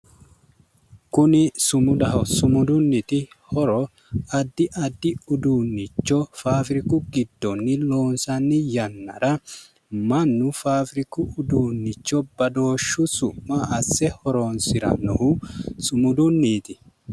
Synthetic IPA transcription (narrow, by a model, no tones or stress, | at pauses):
kʊnɪsʊmʊd̪ɐɦɔsʊmʊd̪ʊnːɪt̪ɪ | hɔɾɔ | ɐd̪ːɪʔɐd̪ːɪʊd̪unːɪt͡ʃːɔfaːfɪɾɪkʊɡɪd̪ːɔnːɪloːnsɐnːɪjɐnːɐ̰ɾɐ | mɐnːʊfaːfɾɪkʊʊd̪uːnːɪt͡ʃːɔbɐd̪o̞ːʃːʊsʊmːɐɐsːɛhɔɾoːnsɪɾɐ̰nɔhʊsʊmʊd̪ʊnːiːt̪ɪ